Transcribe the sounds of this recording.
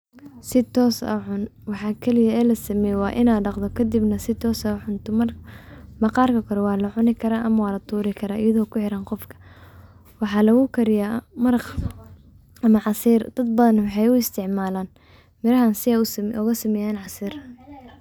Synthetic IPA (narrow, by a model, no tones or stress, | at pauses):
sɪt̪ʰɔːsɐ̰ʕʊnwɑħɑːkʰɛlɪjɐɛːlɐsɐmɛjwɑːʔɪnaːɖɑqd̪ɔkʰɐd̪ibnɐsɪt̪ʰɔːsɐħʊnt̪ʰɔmɐrmɐqɑːrkɐkʰɐɾɔwɑːlɐʕʊnɪkʰɐɾaːʔɐmɐwɑːlɐt̪ʰuːɾɪkʰɐɾaːʔɪjɐðɔːkʰʊħɪɾaːnqɔfkʰɐ̥ | wɑħɑːlɐɣʊkʰɐɾɪjaːmɐɾq | ʔɐmɐʕɑsiːrd̪̥ɐd̪̚bɐðɐnwɑħɑjʊɪst̪ʰɪʕmaːlaːn | mɪɾɐɦansɪʔɔɣɐsɐmɛːjaːnʕɑsiːr